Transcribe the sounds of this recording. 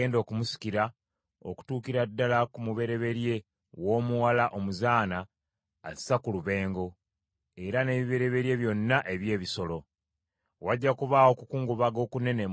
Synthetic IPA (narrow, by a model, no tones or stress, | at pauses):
eːndo̞ːkumusi̥ciɾa | o̰ku̥tuːkiɾadːalakumuβe̞ɾe̞βe̞ɾje̞ | wo̞ːmuwalaʔo̞muzaːna̰ː | zi̥sakuluβe̞ːŋɡo̞ | e̞ɾane̞ːβiβe̞ɾe̞βe̞ɾje̞βjo̞nːaʔe̞βje̞ːβiso̞lo̞ | waɟːakuβaːwo̞kukuːŋɡuβaɡo̞ːkune̞ne